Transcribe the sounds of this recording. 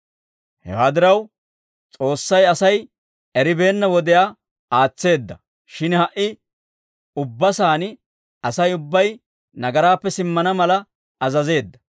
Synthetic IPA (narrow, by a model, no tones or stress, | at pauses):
hɛ̰waːd̪ɪɾɐw | t͡sʼo̞ːsːɐjɐsɐj | ɛɾɪbe̞ːnːɐwɔd̪ɛjaː | aːt͡sːe̞ːd̪ːɐ | ʃɪnhɐʔɪ | ʊbːɐsaːnɪ | ɐsɐjʊbːɐj | nɐɡɐɾaːpːɛsɪmːɐnɐmɐlɐ | ɐzɐze̞ːd̪ːɐ̥